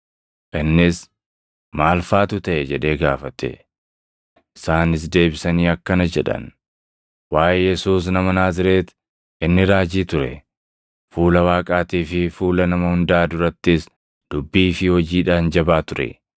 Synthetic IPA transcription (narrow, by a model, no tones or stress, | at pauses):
ʔɪnːɪs | maːlfaːt̪ʊt̪ɐʔɛd͡ʒɛᶑe̞ːɡaːfɐt̪ɛ̰ | ʔɪsaːnɪs̬d̪e̞ːbɪsɐniːɐkːɐnɐd͡ʒɛᶑɐ̰n | waːʔɛjɛsuːs̬nɐmɐnaːzɪɾe̞ːt̪ | ʔɪnːɪɾaːd͡ʒiːt̪ʊɾɛ̰ | fuːlɐwaːkʼaːt̪iːfɪfuːlɐnɐmɐhʊnd̪aːd̪ʊɾɐt̪ːɪs | d̪̥ʊbːiːfɪhɔd͡ʒiːᶑaːnd͡ʒɐbaːt̪ʊɾɛ̰